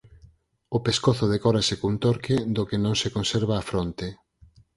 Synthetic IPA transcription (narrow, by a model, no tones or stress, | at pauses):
opeskoθʊðekɔɾasekunt̪oɾked̪okenõŋsekonseɾβ̞aːfɾont̪e